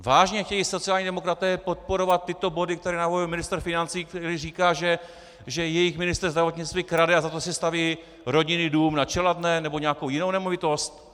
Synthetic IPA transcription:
vaːʒɲɛxcɛjiso̞t͡siaːlɲidɛmo̞kɾat̪ɛːpo̞t̪̚po̞ɾo̞vat̪ːɪt̪o̞bo̞dɪk̚t̪ɛɾɛːnavovɪlmɪnɪst̪r̩fɪnant͡siːktɛɾiːriːkaːʒɛ | ʒɛjɛjɪxmɪnɪst̪rzd̪ɾavo̞t̪ɲɪt͡st̪viːkɾadɛazat̪osɪst̪aviː | ɾo̞ɟɪnɪduːmnat͡ʃɛlad̪nɛnɛbo̞ɲɛakowjɪnownɛmo̞vɪt̪o̞st̪

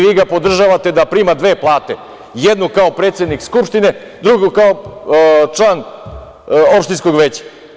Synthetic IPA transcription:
ʋiːɡapo̞d̪r̩ʒaʋat̪e̞d̪apɾiːmad̪ʋe̞ːplˠaːt̪e̞ | jed̪nukao̞pɾe̞ːt̪sjed̪nikskupʃt̪ine | d̪ɾuɡukao | t͡ʂlan | o̞pʃt̪insko̞ɡʋeːt͡ɕḁ

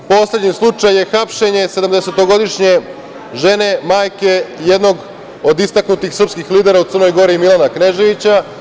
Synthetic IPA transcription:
po̞ːslʲed̪ɲislˠut͡ʂajje̞xapʃe̞ɲe̞se̞d̪amd̪ese̞t̪o̞ɡo̞d̪iʃɲe̞ | ʒe̞ne̞maːjkejed̪no̞ɡ | od̪ist̪aknut̪ixsr̩pskixliːd̪e̞ɾaut̪srno̞jɡo̞ɾimilˠanakne̞ʒeʋit͡ɕa

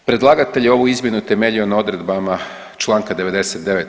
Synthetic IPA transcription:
pɾe̞d̪lˠaɡat̪e̞ʎeo̞ʋuizmjenut̪e̞me̞ʎio̞nao̞d̪ɾe̞d̪bama | t͡ʃlˠaːŋkad̪e̞ʋe̞d̪eset̪̚d̪e̞ʋet̪

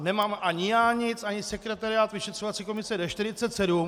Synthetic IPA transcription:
nɛmaːmʔaɲɪjaːɲɪt͡sʔaɲɪsɛkɾɛt̪aɾɪaːt̪vɪʃɛt̪r̝̥ovat͡siko̞mɪsɛdɛʃt̪ɪɾɪtt͡sɛt̪sɛdum

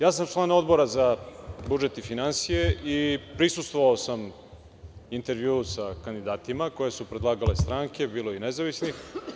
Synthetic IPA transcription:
jaːs̬amt͡ʃlˠaːno̞d̪bo̞ɾazabud͡ʒet̪ifinansijeʔipɾisust̪voʋaosam | int̪e̞ɾʋjuːsakand̪id̪aːt̪imako̞jesupɾed̪lˠaːɡale̞st̪ɾaːŋke̞biːlo̞inezaʋisnix

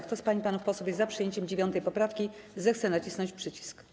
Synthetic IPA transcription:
kt̪ɔspaɲipanufpɔswɔbʲjɛzapʂɨjeɲt͡ɕɛmd͡ʑevʲjɔnt̪ɛjpɔpɾafkʲizɛxt̪sɛnat͡ɕisnɔ̃ɲt͡ɕpʂɘt͡ɕi̥sk

